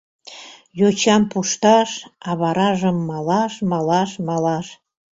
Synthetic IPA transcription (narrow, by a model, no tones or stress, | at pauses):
jot͡ɕɑmpuʃt̪ɑʃɑβɑɾɑʒəmːɑlɑʃmɑlɑʃmɑlɑʃ